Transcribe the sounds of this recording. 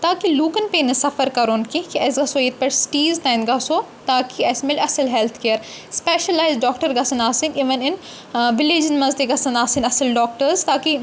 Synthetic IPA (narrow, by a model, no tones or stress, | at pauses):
t̪aːkiluːkənpẽːnɐsɐfəɾkɐɾoːnkikiɐːsɡɐsoːeːt̪̚ʰpʲɐʈsʈiːzt̪ãːɪnd̪ɡaːsoːt̪aːkiɐːsmeːlɐsəlɦɛlt̪ʰkeːəɾ | speːʃəlaːɪzɖɔːk̚ʈəɾɡɐsɐ̃naːsĩniːʋənɪn | ʋɪleːd͡ʒənmɐzt̪eɡɐsɐ̃naːsĩnɐsəlɖɔːk̚ʈəɾzt̪aːki